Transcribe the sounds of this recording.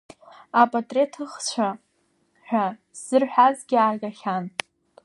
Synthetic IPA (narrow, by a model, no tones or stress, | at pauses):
apʼatʼre̞tʰɨχt͡ɕʷʰa | ħʷᶣa | zɨrħʷᶣazɡʲarɡaχʲan